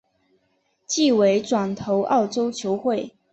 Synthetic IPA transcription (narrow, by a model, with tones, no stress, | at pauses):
t͡ɕi˥˩we˧˥ɪʈ͡ʂwa˨˩nt̪ʰo˧˥ʊʔɑ˥˨˩ʊʈ͡ʂo˥ʊt͡ɕʰjo˧˥ʊxwe˥˨ɪ